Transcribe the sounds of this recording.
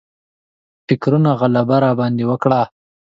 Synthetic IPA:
fɪkɾunaɣalabaɾɑbɑnd̪ewəkɽa

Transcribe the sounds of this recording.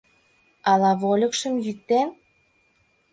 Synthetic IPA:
ɑlɑβolʲə̆kʃə̆mjyk̚t̪en

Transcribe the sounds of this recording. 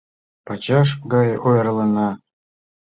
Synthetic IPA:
pɑt͡ɕɑʂ̬ɡɑjojrlˠɑnɑ

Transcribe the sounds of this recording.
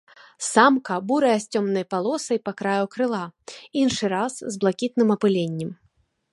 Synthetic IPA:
samkɐbuɾɐjɛsʲt͡sʲɔmnɐjpalˠɔsɐjpɐkɾajukɾɨlˠainʂɨɾaszblˠakʲit̪nɨmɐpɨlʲenʲːɛm

